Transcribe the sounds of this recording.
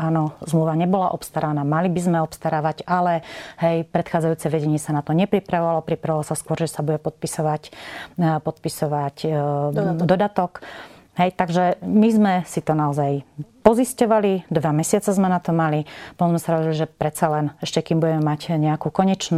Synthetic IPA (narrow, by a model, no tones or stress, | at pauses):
aːnɔzmluʋaɲɛbɔlaʔɔpst̪aɾanaːmalibizmɛɔpst̪aɾaːʋaɟalɛɦɛjpɾɛt̪xaːd͡zajuːt͡sɛʋɛɟɛɲɪɛsanat̪ɔɲɛpɾipɾaʋɔʋalɔpɾipɾaʋɔlɔsaskɔɾʒɛsabuɟɛpɔt̪̚pisɔʋac | pɔt̪̚pisɔʋac | d̪ɔd̪at̪ɔk | ɦɛjt̪aɡʒɛmizmɛsit̪ɔnaɔzajpɔziscɔʋalid̪ʋamɛsɪat͡sɛzmɛnat̪ɔmalipɔɔ̃mzmɛsaɾɔɾiliʒɛpɾɛt̪t͡salɛnɛʃcɛkimbuɟɛmɛmacɲɛakuːkɔɲɛt͡ʃn